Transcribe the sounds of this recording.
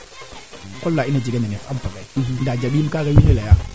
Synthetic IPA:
kɔlːainad͡ʒiɡananɛfampaɡandad͡ʒabimkaɡajihelaja

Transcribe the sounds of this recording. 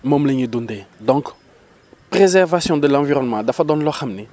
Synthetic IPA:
mɔ̃mleɲid̪ũnd̪ed̪ɔ̃k | pʁezɛʁvasjɔ̃d̪əlãviʁɔnmãd̪afad̪ɔ̃nlɔχamni

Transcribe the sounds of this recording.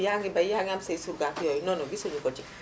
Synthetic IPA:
jaŋɡibaijaŋamseisuɾɡakijɔinɔnɔɡisuɲukɔt͡ʃik

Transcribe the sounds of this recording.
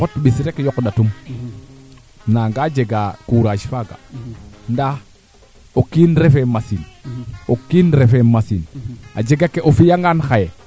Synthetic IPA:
otɓisɾekjokɗatum | naŋɡad͡ʒeɡakuɾaʃfaɡa̰nda | okinɾefemasinokinɾefemasina̰d͡ʒeɡakeʔofijaŋɡanxaje

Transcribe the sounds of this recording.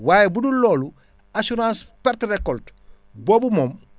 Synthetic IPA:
waːjebudulːɔːlu | asuɾãːnspɛɾtrekɔlt | boːbumoːm

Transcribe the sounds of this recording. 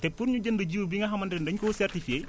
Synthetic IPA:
tɛpːuɾɲuɟəndɐɟiwubiŋɐɦɐmɐndɾɛndɐɲkɔsɛrtife

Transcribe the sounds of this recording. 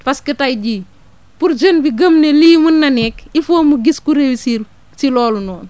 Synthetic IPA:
fɐskətajɟiː | puɾd͡ʒənbiɡəmneliːmunːɐnɛːkifoːmuɡiskuɾewsi | silɔːlunɔːn

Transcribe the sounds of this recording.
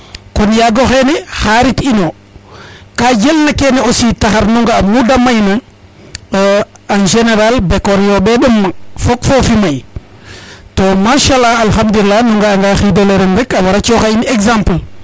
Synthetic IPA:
konjaɡoxenɛxaɾitino | kaɟelnakeneositaxaɾnuŋɡaːmudamajna | anʒeneɾalbekoɾjobeɗumːafokfofimaj | tomaʃalaalxamduɾilːanuŋɡaːŋɡaxidoleɾenɾɛkawaɾat͡ʃoxainekzãmpl

